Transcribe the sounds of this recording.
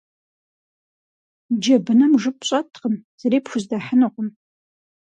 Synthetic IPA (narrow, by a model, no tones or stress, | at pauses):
d͡ʒɐbɨnɐmʐɨpɕʼɐtʰqəmz̥ɐɾeːpxʷʊzdaːħənɨqʷʊm